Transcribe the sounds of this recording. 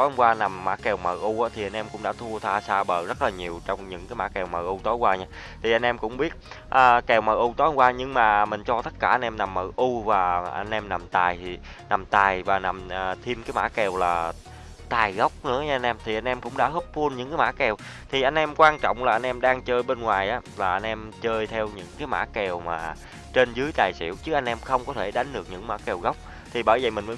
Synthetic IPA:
o˨˦˧ŋ͡mkwaː˧na˨˩mːa̰ː˧˥kɛ˨˩wmə̰ː˨˩ʔu˧ʔaː˨˦˥t̪ʰi˨˩ʔa˧j̟ʔɛ˧mkʊ̰˧˥ŋ͡mɗa̰ː˧˥t̪ʰu˧ət̪ʰaː˧saː˧ɓəː˨˩zə˦˥t̚laː˨˩ɲi˨˩əwt͡ɕɔ˧wŋ͡mɲɨ̰˧˥ŋkaː˨˦jma̰ː˧˥kɛ˨˩wməː˨˩ʔu˧t̪o˨˦jkwaː˧ɲaː˧ | t̪ʰi˨˩a˧jŋ̟ʔɛ˧mkʊ̰˧˥ŋ͡mɓi˦˥ət̚ | ʔəː˨˩kɛ˨˩wməː˨˩ʔu˧t̪o˨˦hŋ͡mkwaː˧ɲɨ˧ŋmaː˨˩mï̟˨˩t͡ɕɔ˧t̪ə˦˥t̚kaː˧˩ʔa˧n̟ʔɛ˧mna˨˩mːəː˨˩ʔu˧vaː˨˩ʔa˧jŋ̟ʔɛ˧mna˨˩mt̪aː˨˩j̪ʰi˨˩ | na˨˩mt̪aː˨˩jvaː˨˩na˨˩mː˨˩t̪ʰi˧mkaː˨˦jma̰ː˧˥kɛ˨˩wlaː˨˩ | t̪aː˨˩jɣə˦˥wk͡p̚nɨ̰˧˥əɲa˧a˧n̟ʔɛ˧mt̪ʰi˨˩ʔa˧jŋ̟ʔɛ˧mkʊ̰˧˥ŋ͡mɗa̰ː˧˥ɦəː˦˥p̚fu˧ənɲɨ̰˧˥ŋkaː˨˦ma̰ː˧˥kɛ˨˩w | t̪ʰi˨˩ʔa˧jŋ̟ʔɛ˧mkwaː˧nt͡ɕɔ̰˧˨wŋ͡mlaː˨˩ʔa˧jnʔɛ˧mɗaː˧ŋt͡ɕəː˧jɓe˧nŋwaː˨˩jʔaː˨˦laː˨˩ʔa˧jn̟ʔɛ˧mt͡ɕəː˧jt̪ʰɛ˧wɲɨ̰˧˥ŋkaː˨˦jma̰ː˧˥kɛ˨˩wmaː˨˩ | t͡ɕe˧nzɨ˨˦əjt̪aː˨˩jsḭ˧˥əwt͡ɕɨ˦˥k̚ʔa˧ŋ̟ʔɛ˧mxə˧wŋ͡mkɔ˨˦t̪ʰe˧˩ɗa˨˦jŋ̟ɗɨ˨˩ək̚ɲɨ̰˧˥ŋma̰ː˧˥kɛ˨˩wɣə˦˥wk͡p̚ | t̪ʰi˨˩ɓəː˧˩jvi˨˩mï˨˩ŋ̟məː˨˦

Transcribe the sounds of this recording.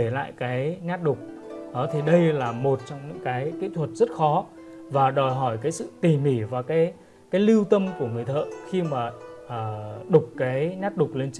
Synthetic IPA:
e˧˩la̰ː˧˨jkaː˨˦jɲaː˦˥t̚ɗʊ˨˩k͡p̚ | ʔəː˨˩˦t̪ʰi˨˩ɗə˧jlaː˨˩mo˨˩t̚t͡ɕɔ˧wŋ͡mɲɨ̰˧˥ŋkaː˨˦jki˦˥t̪ʰwə˨˩t̚z̥ə˦˥t̚xɔ˨˦ | vaː˨˩ɗɔ˨˩jɦɔ˧˩jkaː˨˦jsɨ̰˧˨t̪i˨˩mi˧˩vaː˨˩kaː˨˦j | kaː˨˦jli˧wt̪ə˧mku˧˩əŋɨ˨˩əjt̪ʰə̰ː˧˨xi˧maː˨˩ʔəː˨˩ɗʊ˨˩k͡p̚kaː˨˦jɲaː˦˥t̚ɗʊ˨˩k͡p̚le˧nt͡ɕ

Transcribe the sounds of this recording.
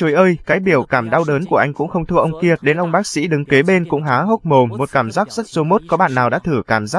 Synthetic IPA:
t͡ɕo˨˦jʔəː˧jkaː˨˦jɓi˧˩əwkaː˧˩mɗa˧wɗəː˨˦nku˧˩əʔa˧jŋ̟kʊ̰˧˥ŋ͡mxə˧wŋ͡mt̪ʰɨ˧əʔə˧wŋ͡mki˧˩ət̚ɗe˨˦nʔə˧wŋ͡mɓaː˦˥k̚sḭ˧˥ɗɨ˨˦ŋke˨˦ɓe˧nkʊ̰˧˥ŋ͡mɦaː˨˦ɦo˦˥t̚mo˨˩mːo˨˩t̚kaː˧˩mzaː˦˥k̚zə˦˥t̚zo˨˦mo˦˥t̚kɔ˨˦ɓa̰ː˧˨nːaː˨˩wɗa̰ː˧˥t̪ʰɨ˧˩kaː˧˩mzaː˦˥

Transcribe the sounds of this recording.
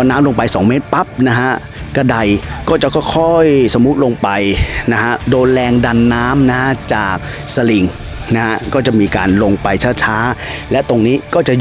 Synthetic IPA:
naː˦˥mlo˧ŋpa˧jsɔː˩˦ŋmeː˦˥t̪̚pa˦˥p̚na˦˥kʰa˦˥ | ka˧˩da˧jkɔː˥˩t͡ɕa˨˩kʰɔ˥˩kʰɔ˥˩jso˩˦mːu˦˥t̪̚lo˧ŋpa˧jna˦˥kʰa˦˥ʔdoː˧nlɛː˧ŋda˧nːaː˦˥mna˦kʰa˦˥t͡ɕaː˨˩k̚ | sa˧li˨˩ŋ | na˦˥ka˦˥kɔː˥˩t͡ɕa˨˩ʔmiː˧ka̰ː˧nlo˧ŋpa˧jt͡ɕʰaː˥˩t͡ɕʰaː˦˥lɛ˦˥ʔt̪o˧ŋniː˦˥kɔː˥˩t͡ɕa˨˩

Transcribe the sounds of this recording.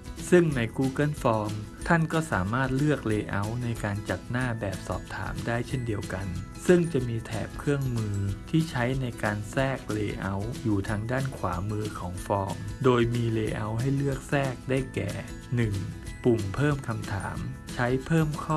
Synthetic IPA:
sɯ˥˩ŋna˧jkuː˧ka˥˩nfɔː˧mt̪ʰa˥˩nkɔː˥˩sa̰ː˩˦maː˥˩t̪̚lɯ˥˩ək̚leː˧ʔa˦˥wna˧jkaː˧nt͡ɕa˨˩t̪̚naː˥˩bɛː˨˩p̚sɔ̰ː˨˩p̚t̪ʰa̰ː˩˦mdaː˥˩jt͡ɕʰe˥˩ndi˧əwka˧nsɯ˥˩ŋt͡ɕa˨˩miː˧t̪ʰɛ̰ː˨˩p̚kʰɯ˥˩əŋmɯː˧t̪ʰiː˥˩t͡ɕʰa˦˥jna˧jkaː˧nsɛː˥˩k̚leː˧ʔa˦˥wjuː˨˩t̪ʰaː˧ŋdaː˥˩nkʰwa̰ː˩˦mɯː˧kʰɔː˩˦ŋfɔː˧mdoː˧jmiː˧leː˧ʔa˧˥wɦa˥˩jlɯ˥˩ək̚sɛː˥˩k̚daː˥˩jkɛ̰ː˨˩ | nɯ˨˩ŋpu˨˩mpʰɤː˥˩mkʰa˧mt̪ʰa̰ː˩˦mt͡ɕʰa˦˥jpʰɤː˥˩mkʰɔː˥˩

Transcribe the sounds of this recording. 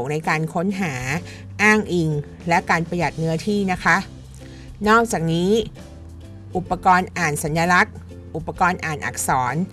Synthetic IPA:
ŋna˧jkaː˧nkʰo˦˥nɦaː˩˦ | ʔaː˥˩ŋʔi˧ŋ | lɛ˦˥ʔkaː˧npa˧ja˨˩t̪̚nɯ˦˥ɐt̪ʰiː˥˩na˦˥kʰa˦˥ʔ | nɔː˥˩k̚t͡ɕaː˨˩k̚niː˦˥ | ʔu˨˩pːa˧kɔː˧nʔaː˨˩nsa˩˦njaː˧la˦˥k̚ | ʔu˨˩pːa˧kɔː˧nʔaː˨˩nʔa̰˨˩k̚sɔː˩˦n

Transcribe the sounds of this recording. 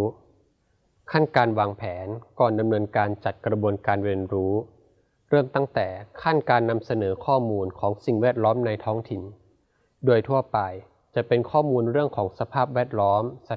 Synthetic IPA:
kʰa˥˩nkaː˧nwaː˧ŋpʰɛː˩˦nkɔː˨˩nda˧mnɤː˧nkaː˧nt͡ɕa˨˩t̪̚kɾa˧bu˧ənkaː˧nweː˧nɾuː˦˥ | ɾɤː˥˩mt̪a˥˩ŋt̪ɛː˨˩kʰa˥˩nkaː˧nːa˧msa˧nɤː˩˦kʰɔː˥˩muː˧nkʰɔː˩˦ŋsi˨˩ŋwɛː˥˩t̪̚lɔː˦˥mna˧jt̪ʰɔː˦˥ŋt̪ʰi˨˩n | doː˧jt̪ʰu˥˩ɐpa˧j | t͡ɕa˨˩pe˧nkʰɔː˥˩muː˧nɾɯ˥˩əŋkʰɔː˩˦ŋsa˧pʰaː˥˩p̚wɛː˥˩t̪̚lɔː˦˥msa˨˩

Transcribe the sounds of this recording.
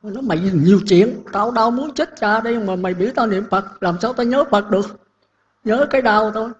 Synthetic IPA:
nɔ˨˦ma˨˩jɲi˨˩əwt͡ɕḭ˧˨ənt̪aː˧wɗaː˧wmu˨˦ənt͡ɕi˦˥t̚t͡ɕaː˧ɗə˧jŋ͡mmaː˨˩ma˨˩jɓḭ˧˩əwt̪aː˧nḭ˧˨əmfə˨˩t̚laː˨˩msaː˧wt̪aː˧ɲəː˨˦fə˨˩t̚ɗɨ˨˩ək̚ | ɲəː˨˦kaː˨˦jɗa˧wt̪ʰo˧j

